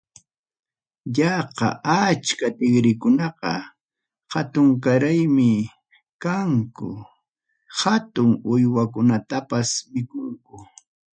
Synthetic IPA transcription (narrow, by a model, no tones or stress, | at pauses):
ʎɑqɑ̰ʔat͡ʃkat̪ɪɡɾɪkʊnɑqɑ̰ | hat̪ʊŋk̬aɾajmɪ | kaŋkʊ̰ | hat̪ʊŋʊjwak̬ʊnat̪apasmɪkʊŋkʊ